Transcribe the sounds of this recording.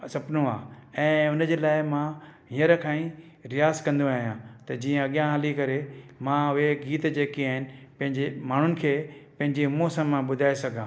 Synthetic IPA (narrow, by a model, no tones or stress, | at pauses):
sɐpnõa̰ːɛ̃ːʊnəd͡ʑeːlaːɪmãɦĩəɾəkʰãːĩ | ɾɪjaːzkɐ̃nd̪oaːɦijãːt̪ɐd͡ʑĩːə̃ɐɠijãɦɐlikɐɾemãʊɦeɡiːt̪d͡ʑeːkiaːɦɪnɪ̆pɐ̃ɦɪ̃ɲd͡ʑemaːɳ̤ʊnɪ̆kʰeːpɐ̃ɦɪ̃ɲd͡ʑeɦʊmosãmãɓʊd̪ʱaːesɐɡʱãː